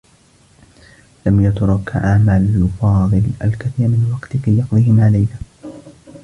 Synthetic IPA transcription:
lamjat̪ɾˤɑkʕaʕmalfɑːðˤɨlʔa̰lkaθiːɾmɪnwɑqt̪kajːɑqðˤihɪmʕalajha

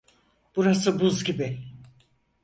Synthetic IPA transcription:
b̥uɾasɯbuzɟibɪ

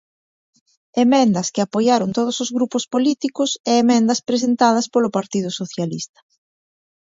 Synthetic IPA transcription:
emɛ̃nd̪ɐskɪapojaɾʊnt̪oð̞ʊsʊzɣɾupʊspolit̪ikʊsɛːmɛ̃nd̪ɐspɾes̬ent̪að̞ɐspolʊpaɾt̪ið̞ʊsoθjalḭst̪ɐ̥

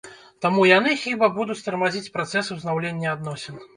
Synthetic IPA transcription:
t̪amujanɨxʲibɐbud̪ut͡sʲst̪ɐɾmazʲit͡sʲpɾat̪sɛsɨwznawlʲenʲːɛad̪nɔsʲɛn

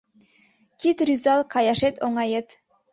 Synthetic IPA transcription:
kit̪rʲyzɑlˠkʰɑjɑʃet̪oŋɑjet̪

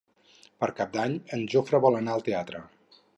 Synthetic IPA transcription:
pəɾkap̚d̪aɲənʒofɾəβɔlˠənaəlˠt̪eat̪ɾə

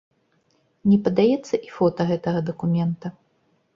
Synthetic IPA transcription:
nʲɛpɐd̪ajɛt̪sːɐʔifɔt̪ɐɣɛt̪ɐɣɐd̪ɐkumʲɛnt̪ɐ

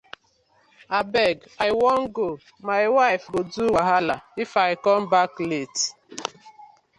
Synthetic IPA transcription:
abɛɡ | aɪwɔŋ̩ɡo | maɪwaɪfɡoduwaɦalaifaɪkɔmbaklet

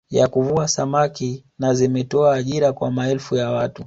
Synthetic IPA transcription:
jakuvuasamakinazimɛtɔaːʄiɾakwa̰maɛlfujawatu

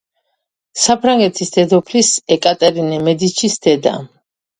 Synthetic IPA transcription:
sapʰɾaŋɡɛt̪ʰisd̪̥ɛd̪ɔpʰlisɛkʼat̪ʼɛɾinɛmɛd̪it͡ʃʰisd̪̥ɛd̪a̰

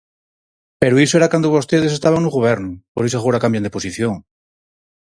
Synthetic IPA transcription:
peɾuisoeɾakwand̪oβo̞st̪eð̞esest̪aβaŋnuɣoβeɾnupoɾis̬axoɾakambjand̪eposiθjoŋ

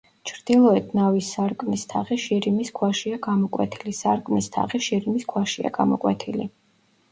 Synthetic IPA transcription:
t͡ʃʰɾd̪̥ilˠɔɛt̪ʰnavisːaɾkʼmist̪ʰaʁiʃiɾimiskʰwaʃiaɡamɔkʼwɛ̰t̪ʰilisaɾkʼmist̪ʰa̰ʁiʃiɾimiskʰwaʃia̰ɡ̥amɔkʼwɛ̰t̪ʰili

